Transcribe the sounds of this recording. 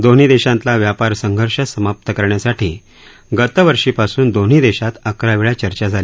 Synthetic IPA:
d̪on̤iːd̪eɕãnt̪laʋjapaɾsəŋɡʱəɾʂəsəmap̚t̪əkəɾɳjasaʈʰiː | ɡət̪əʋəɾʂiːpasuːnd̪on̤id̪eɕat̪əkɾaʋiɭjat͡ɕəɾt͡ɕad͡zʱali

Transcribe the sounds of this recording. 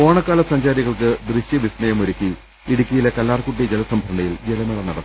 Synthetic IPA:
o̞ːɳɐkːaːlɐsɐɲd͡ʑaːɾiɣɐɭkɨd̪riɕjɐʋisnɐjɐmoɾukʲːi | iɽukʲːijilekɐlːaːrkuʈ̬ːid͡ʑelɐsɐmbʱɾɐɳɖɐjild͡ʑelɐmɐɭɐnɐɽɐt̪ː

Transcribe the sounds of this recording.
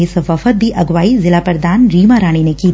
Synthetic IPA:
eːsʋɐfət̪̚b̪ʱiʔɐɡʋaːizɪlaːpəɾd̪aːnɾiːmaɾaːɽ̃inekiː

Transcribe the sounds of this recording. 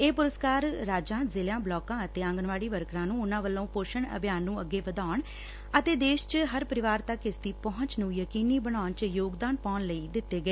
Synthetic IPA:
eːpʊɾəskaːɾːaːd͡ʒãːzɪljãːblɔːkãːət̪eːə̃ŋɡənʋaːɽiːʋəɾkɾãːnũːʊnãːʋəlːõːpoːʃəɳə̰bʱjaːnːũːəɡeːʋəd̪aːɳ | ət̪eːd̪eːʃt͡ʃɦəɾpəɾɪʋaːɾt̪əkɪsd̪iːpɔɦʊ̃ɲt͡ʃnũːjəkiːniːbəɽ̃aːnt͡ʃjoːɡd̪aːnpaːnləiːd̪ɪt̪ːeːɡəeː

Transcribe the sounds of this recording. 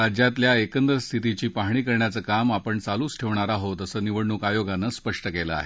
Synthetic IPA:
ad͡ʑjat̪ljaekənd̪ɾəst̪ʰit̪̬it͡ɕiːpaɦɳiːkəɾɳjat͡səːkamapəɳt͡saluːsʈʰeʋɳaɾaɦot̪əsəːniʋəɽɳuːkajoɡanːəspəʂʈəkeləa̰ɦe

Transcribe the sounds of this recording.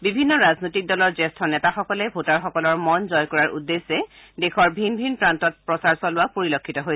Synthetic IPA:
bibʱinːɔɹaznojtik̚dɔlɔɹzɛstʰɔnɛtaxɔkɔlɛbʱotaɹxɔkɔlɔɹmɔnzɔjkɔɹaɹʔudːesːɛ | dexʰɔɹbʱinbʱinpɹantɔt̚pɹɔsaɹsɔlʊapoɹilokʰːitɔɦoj

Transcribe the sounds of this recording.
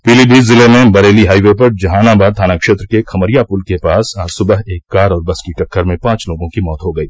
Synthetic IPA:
piːliːbʱiːzɪlemẽbɐɾeːliɦaːiʋepɐɾd͡ʒɐɦaːnabaːd̪̚t̪ʰaːnakʃeːt̪ɾəkekʰɐməɾijapʊlkepaːsaːd͡ʒsʊbəɦeːkːaːɾɔːɾbɐskiʈɐkʰːəɾmẽpãːt͡ʃloːɡõkimɔːt̪ɦoɡɐiː

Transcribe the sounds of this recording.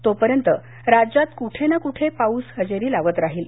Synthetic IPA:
t̪opəɾjənt̪ə | ɾad͡ʑat̪kuʈʰenakuʈʰepauːsɦəd͡ʑeɾiːlaʋət̪ɾaɦiːl

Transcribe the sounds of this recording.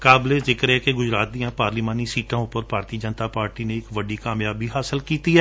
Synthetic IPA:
kaːbleːzɪkəɾɛːkeɡʊd͡ʒɾaːt̪̚d̪iːãːpaːɾliːmaːniːsiːʈãːʊpːəɾpaːɾt̪iːd͡ʒənt̪aːpaːɾʈiːneɪkʋəɖiːkaːmjaːbiːɦaːsəlkiːt̪iːɦɛː

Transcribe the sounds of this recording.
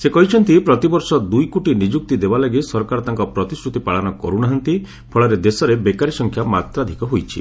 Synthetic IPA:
sekɔɦit͡ʃʰɔnt̪ipɾɔt̪ibɔɾsɔd̪ujkuʈinid͡ʒuk̚t̪id̪ebalaɡisɔɾɔkaɾɔt̪aŋkɔpɾɔt̪isɾut̪ipaɭanɔkɔ̰ɾunaɦant̪i | pʰɔɭɔɾed̪esɔɾebekaɾisɔŋkʰjamat̪ɾɔad̪ʱikɔɦojt͡ʃʰḭ

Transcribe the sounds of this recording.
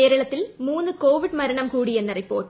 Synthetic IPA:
eːɾɐɭɐt̪ːɪlmuːnd̪ɯkoːʋɪɽmɐɾɐɳɐmkuːɽɪjɐnːɪrɐɪpːo̰ːʈː

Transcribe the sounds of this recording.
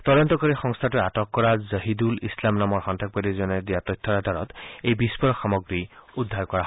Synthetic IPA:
tɔdɔntɔkɔɹixɔŋst̪ʰatuatɔkːɔɹazəɦidulislamnamɔɹxɔntʰak̚badizɔnɛdijatɔjtʰːɔɹadʱaɹɔtejbispɔɹɔxamɔɡɹiudʱːaɹkɔɹa

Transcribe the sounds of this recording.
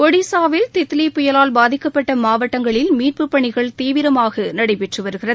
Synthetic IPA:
kɔɽisaːʋɪlt̪ɛt̪ːɪlɐpːʊjɐlaːlbaːðɪkːɐpːɐʈːɐmaːʋɐʈːɐŋɡɐɭɪlmiːr̚pɯpːɐɳɪɣɐɭt̪iːʋɪɾɐmaːɣɐnɐɽɐɪpɛʈrɯʋɐɾɯɣɪrɐ

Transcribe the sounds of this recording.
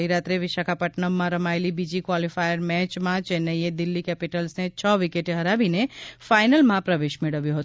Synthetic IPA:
iɾat̪ɾeʋɪʃakʰapəʈnəmːãɾəmaelibid͡ʒikʋalifajəɾmɛt͡ʃmãt͡ʃɛnəjed̪ɪlːikɛpiʈəlsnet͡ʃʰəʋikeʈeɦəɾabinefajnəlmãpɾəʋeʃmeɽəʋjuɦət̪

